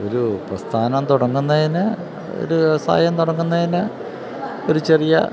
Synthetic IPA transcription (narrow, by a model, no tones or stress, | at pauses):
oɾuprɐst̪ʰaːnɐmt̪uɽɐŋːunːɐðinɨ | o̰ɾusa̰ːjɐmt̪uɽɐŋːunːɐðinɨ | o̞ɾut͡ɕe̞rijɐ̰